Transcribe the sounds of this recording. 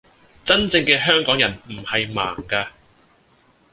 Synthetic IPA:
t͡sɐ˥nt͡sɪ˧ŋkɛː˧ɦœː˥ŋkɔː˨˥ŋjɐ˨˩nm̩˨˩hɐ˨jma̰ː˨˩ŋkaː˧

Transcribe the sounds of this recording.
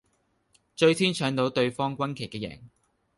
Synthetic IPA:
t͡ʃɵ˧ɥt̪ʰiː˥nt͡ʃʰœː˨˥ŋt̪o˨˥wt̪ɵ˧ɥfɔː˥ŋkʷɐ˥nkʰe˨˩jkɛː˧jɛ̰ː˨˩ŋ

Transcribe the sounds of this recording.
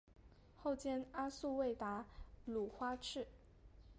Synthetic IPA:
xo˥˧ʊt͡ɕjɛ˥na˥su˥˧we˥˩ɪt̪a˧˥lu˨˩xwa˥ʈ͡ʂʰɻ̩˥˩

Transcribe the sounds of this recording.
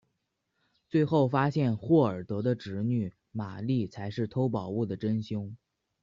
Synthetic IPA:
t͡swe˥˧ɪxo˥˩ʊfa˥ɕjɛ˥˧nxwɔ˥˩ə˞˨˩t̪ɤ˧˥d̪ə˧ʈ͡ʂɻ̩˧˥ny˨˩ | ma˨˩li˥˩t͡sʰa˧˥ɪʂɻ̩˥˩t̪ʰo˥ʊpɑ˨˩ʊu˥˩d̪ə˩ʈ͡ʂə˥nɕi˥ŋ

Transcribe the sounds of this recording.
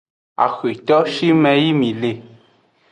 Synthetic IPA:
a̰˨xi˨tɔ˦ʔʃi˦mɛ˦ji˦mi˨le˨

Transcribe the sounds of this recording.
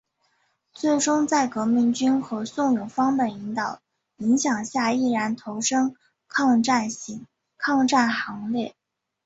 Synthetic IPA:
t͡swe˥˩ɪʈ͡ʂʊ˥ŋt͡sa˥˩ɪkɤ˧˥mi˧˥ŋt͡ɕy˥nxɤ˧˥sʊ˥˩ŋjʊ˨˩ŋfɑ˥ŋpə˨˩i˧˥ŋt̪ɑ˨˩˦ʊ | i˧˥ŋɕjɑ˨˩ŋɕja˥˧i˥˩ɻa˧˥nt̪ʰo˧˥ʊʂɤ˥ŋ | kʰɑ˥˧ŋʈ͡ʂa˥˩nɕi˧˥ŋ | kʰɑ˥˧ŋʈ͡ʂa˥˩nxɑ˧˥ŋljɛ˥˩

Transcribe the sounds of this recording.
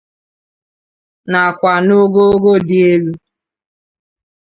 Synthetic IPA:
na˨kʷa˨no˦ɡo˦ɡo˦di˦e˦ɣu˦

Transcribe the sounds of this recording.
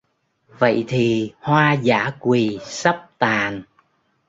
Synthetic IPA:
və̰˧˨jt̪ʰi˨˩hwaː˧zaː˧˥˦kwi˨˩sə˦˥p̚t̪aː˨˩n

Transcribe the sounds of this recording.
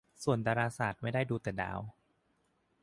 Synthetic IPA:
su˨˩əndaː˧ɾaː˧saː˨˩t̪̚ma˥˩jda˥˩jduː˧t̪ɛː˨˩da̰ː˧˦w

